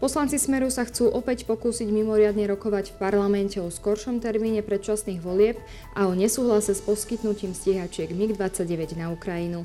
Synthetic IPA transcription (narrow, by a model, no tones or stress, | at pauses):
pɔslant͡sismɛɾusaxt͡suːʔɔpɛcpɔkuːsiɟmimɔɾɪad̪ɲɛɾɔkɔʋacfpaɾlamɛncɛɔskɔɾʃɔmt̪ɛɾmiːɲɛpɾɛt̪̚t͡ʃasniːɣʋɔlɪɛp | ʔaɔɲɛsuːɦlasɛspɔskit̪nuciːmsciɛɦat͡ʃɪɛɡmiɡd̪ʋat͡sːaɟɛʋɛɟnaukɾajinu